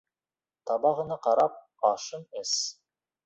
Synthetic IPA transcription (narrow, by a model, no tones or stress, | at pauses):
t̪ʰɑbɑʁɤ̆nɑqɑɾɑp̚ | ɑʃɤnes